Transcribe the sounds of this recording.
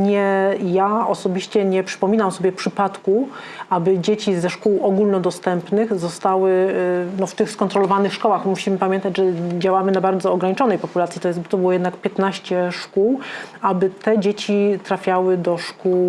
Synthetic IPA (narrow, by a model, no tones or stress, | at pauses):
ɲɛjaɔsɔbʲiɕt͡ɕɛɲɛpʂɘ̥pɔmʲinamsɔbʲjɛpʂɘpat̪ku | ʔabɘd͡ʑet͡ɕizɛʂkuwɔɡulnɔd̪ɔst̪ɛmpnɘxzɔst̪awɘnɔft̪ɘxskɔnt̪ɾɔlɔvanɘxʂkɔwaxmuɕimɘpamʲjɛnt̪ad͡ʑʐɛd͡ʑawamɘnabaɾd̪zɔːɡɾaɲit͡ʂɔnɛjpɔpulat̪sʲit̪ɔjɛsbɔt̪ɔbɘwɔjɛd̪nakpʲjɛt̪naɕt͡ɕɛʂkuwʔabɘt̪ɛd͡ʑet͡ɕit̪ɾafʲjawɘd̪ɔʂkuw